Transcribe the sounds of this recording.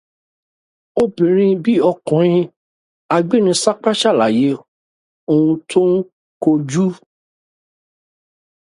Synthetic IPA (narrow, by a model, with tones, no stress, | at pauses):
o˦bĩ˨ɾ̃ĩ˧bi˦ɔ˧kɔ̃˨ɾ̃ĩ˧ | a˧ɡ͡bi˦nĩ˧sa˦k͡pa˦ʃa˦˨la˨je˨˦ | o˧ũ˧tʰõ˦ | ko˧d͡ʒu˦